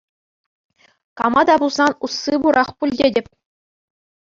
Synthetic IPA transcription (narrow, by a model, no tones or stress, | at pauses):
kɑmɑd̪ɑbulˠzɑnusːibuɾʔɑχpulʲdʲedʲɘ̆pʲ